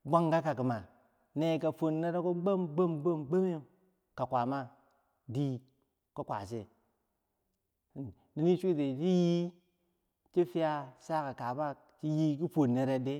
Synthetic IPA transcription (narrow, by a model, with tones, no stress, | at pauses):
ɡ͡bʷa˦ŋɡa˦ka˨ki˨ma˨ | ne˨ka˨fo˨nːe˦ɾe˦ko˦ɡ͡bo˦mɡ͡bo˦mɡ͡bo˦mɡ͡be˦me˦˨ | ka˨kʷa˨ma˦ | di˦ | ko˦kʷa̰˨se˦˨ | ni˦ni˦t͡ʃu˦de˨ti˦ji˦ | t͡ʃi˦fi˦ja˦sa˦ka˨ka˨ba˦ | t͡ʃi˦ji˦ki˦fo˨nːe˨ɾe˦de˦